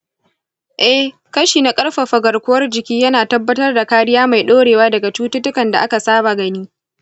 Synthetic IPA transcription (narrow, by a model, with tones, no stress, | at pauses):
ʔɛ˦h | kɐ˦ʃiː˨na˨kʼɐ˦rɸa˨ɸɐ˨ɡɐ˨rkʷʊ˦wɐ˦rd͡ʒɪ˨kʲiː˦jɐ˦naː˨tɐ˦bːɐ˦tɐ˦rda˨kaː˦ɽɪ˦jaː˦ma˨jɗoː˦ɽeː˨waː˦dɐ˨ɡa˨t͡ʃuː˦ttʊ˦kɐ˨nda̰˨ʔa˦ka˨saː˦ba˨ɡɐ˦niː˦